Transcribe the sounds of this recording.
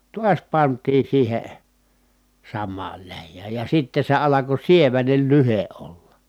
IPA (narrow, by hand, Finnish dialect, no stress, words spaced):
tuɑs pɑntˑiː siːhe sɑmːɑːl læjːæːj jɑ sitːe se ɑlɑko sieʋænel lyhe ʔolːɑ